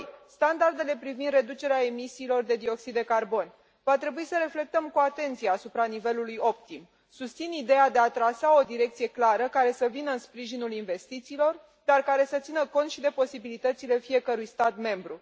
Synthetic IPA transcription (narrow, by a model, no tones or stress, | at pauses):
st̪and̪ard̪e̞le̞pɾivind̪re̞d̪ut͡ʃe̞ɾeae̞misiːlo̞rd̪e̞d̪io̞ksid̪e̞karbo̞n | vat̪ɾe̞buisəɾe̞fle̞k̚t̪əmkuat̪e̞nt̪sijeasupɾanive̞lulujo̞p̚t̪im | sust̪sinid̪e̞jad̪e̞at̪ɾasaod̪iɾe̞kt̪sije̞klaɾəkaɾe̞səvinəɨnspɾiʒinulinve̞st̪it̪siːlo̞r | d̪arkaɾe̞sət̪sinəko̞nt̪ʃid̪e̞po̞sibilit̪ət̪sile̞fie̞kəɾujst̪at̪me̞mbɾu